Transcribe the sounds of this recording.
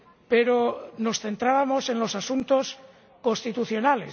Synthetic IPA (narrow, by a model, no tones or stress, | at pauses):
pe̞ɾono̞sθe̞nt̪ɾaβamo̞se̞nlo̞sasunt̪o̞s | ko̞nst̪it̪uθjo̞nale̞̰s